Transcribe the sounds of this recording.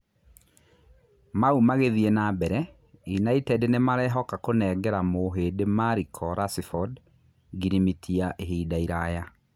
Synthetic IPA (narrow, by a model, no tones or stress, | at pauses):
maumaɣeðienaːbɛɾɛ | junaitɛdenemaɾɛːɦɔkakonɛːɡɛɾamoɦedemaɾikʰɔɾasifɔd | ɡiɾimitʰiaʔeɦiːdaiɾaja